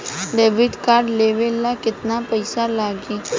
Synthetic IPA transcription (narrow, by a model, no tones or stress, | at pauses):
ɖeːʋɪɖkaːɾɖleːʋelːakɪt̪napəɪsalaːɡiː